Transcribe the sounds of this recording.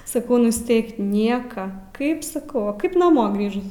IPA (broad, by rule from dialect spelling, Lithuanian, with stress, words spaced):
sɐˈkɐʊ nʊsʲˈtʲɛɪk ˈnʲiɛkɐ ˈkɐɪp sɐˈkɐʊ ʋɐ ˈkɐɪp nɐˈmoː ˈɡrʲiːʒʊs